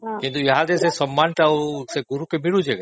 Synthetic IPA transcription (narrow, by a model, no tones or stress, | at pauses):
kĩnt̪ujɦad̪esesɐmːaːnʈ̪aseɡʊɾukemɪɽud͡ʑeɡ